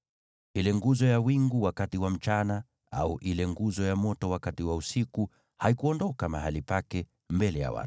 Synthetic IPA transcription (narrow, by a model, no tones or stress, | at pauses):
hilɛŋɡuzɔjawiŋɡuwakatiwam̩t͡ʃana | a̰uʔilɛŋɡuzɔjamɔtɔwakatiwausiku | haikuɔndɔkama̰halipakɛ | mbɛlɛja̰wa̰tu̥